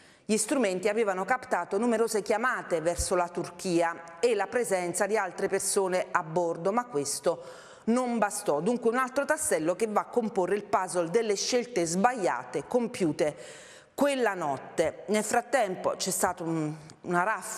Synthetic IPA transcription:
ʎist̪ɾument̪iaveːvanokapt̪aːt̪onumeɾoːzek̟jamaːt̪evɛrsolat̪urk̟iːaelːapɾezɛnt̪sad̪ialt̪ɾepersoːneabːord̪omakːwest̪o | nombast̪ɔd̪uŋkweunalt̪ɾot̪asːɛlːokevːaːkːomporːeilpazold̪elːeʃːelt̪ezbajːa̰ːt̪ekompjuːt̪e | kwelːanɔt̪ːenelfɾat̪ːɛmpo̰t͡ʃɛst̪aːt̪oununaɾaf

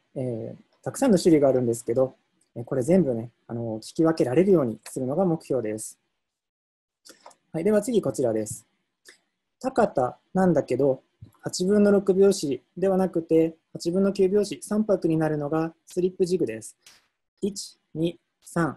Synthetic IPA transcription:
eː | t̪akɯ̟̥sãnːo̞ɕɨɾʲiɡaːɾɯ̟̃nd̪e̞s̬ɨ̥ke̞d̪o̞ | eko̞ɾe̞zẽ̞mbɯ̟ne̞ | a̰no̞kʲi̥kʲiβake̞ɾaɾe̞ɾɯ̟jo̞ːɲ̟isɨɾɯ̟no̞ɡamo̞kɯ̟ço̞ːd̪e̞sɨ̥ | haid̪e̞βat͡sɨɡʲiko̞t͡ɕiɾad̪e̞sɨ̥ | t̪akat̪anãnd̪ake̞d̪o̞ | hat͡ɕibɯ̟̃nːo̞ɾo̞kɯ̟bʲo̞ːɕid̪e̞βanakɯ̟t̪e̞hat͡ɕibɯ̃nːo̞kʲɨːbʲjo̞ːɕisãmpakɯ̟ɲ̟inaɾɯ̟no̞ɡasɨɾʲipːɯ̟ʑiɡɯ̟d̪e̞sɨ̥ | it͡ɕi̥ | ɲ̟i | sãŋ

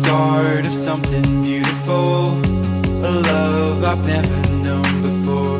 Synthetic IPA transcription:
tɑɹɹɾʌv̥sʌ̃mθɪ̃ŋbjʉɾɨfl̩ˠ | əlʌ | vaɪvnɛvə˞nõʊ̃nbɨfɔɹ

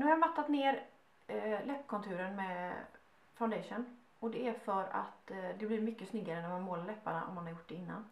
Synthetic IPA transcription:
nʉːhajmat̪ːat̪neːɾ | lɛpːkʰɔnt̪ʰʉ̟ːɾənmɛ | faʊnd̪ɛʂən | ɔd̪ɛæɾfœɾa̰t̪d̪ɛblɪɾmʏkːəsnʏɡːaɾənæɾmanmoːlaɾɭɛpːa̰ɳa̰ʔɔ̰mːanhɑɾjʊʈ̚ːdɛɪnːa̰n

